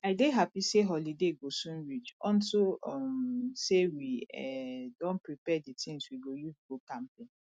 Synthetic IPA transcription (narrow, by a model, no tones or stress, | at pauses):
adeɦapiseɦɔlideɡosũnɹit͡ʃɔ̃nsoɔmsewiɛdɔ̃npɹipɛditʰĩŋswiɡojuzɡokãmpẽn